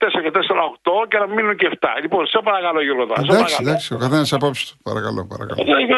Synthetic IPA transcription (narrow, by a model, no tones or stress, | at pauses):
t̪eseɾɐcet̪eseɾɐokt̪ocenɐmminuɲceft̪ɐ̰liponsepɐɾɐkɐlojuɾɣot̪oɾɐs̬ed̪akɐɾɐkɐd̪aksiokɐθenɐsɐpopst̪u̥pɐ̰ɾɐkɐlo̰pɐ̰ɾɐ̰kɐ̰lt̪ç